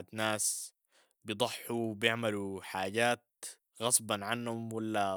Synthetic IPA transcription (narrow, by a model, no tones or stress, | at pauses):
d̪naːs | bjɨd̪ˤɑħːuwbjɪʕmaluħaːɟaːt̪̚ | ɣɑsˤbɑnʕanhʊmwalːa